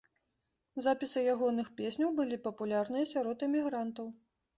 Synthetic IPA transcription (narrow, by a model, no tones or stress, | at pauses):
zapʲisɨjaɣɔnɨxpʲesʲnʲɐwbɨlʲipɐpulʲarnɨjɐsʲaɾɔt̪ɨmʲiɣɾant̪ɐw